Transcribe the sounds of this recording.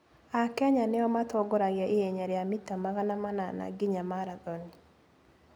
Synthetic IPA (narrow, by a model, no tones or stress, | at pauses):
akɛɲaneɔmatoɡoɾaɣjaʔeeɲaɾeamitamaɣanamanana̰ɡiɲamaɾaðɔni